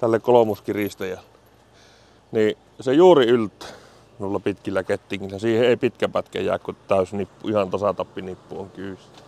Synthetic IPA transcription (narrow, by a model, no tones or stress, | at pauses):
t̪ælːekkolomuskirist̪æjælːe | ni | sejuːriylt̪ːˑæ̥ | nulːɑpit̪kilːæket̪ːiŋilːæsiːheeˑipit̪kæpæt̪kæ̰jˑæ̰ːkkut̪æˑøsnipːuihɑnt̪ɑsɑt̪ɑpːinipːuoŋkyːst̪æ̥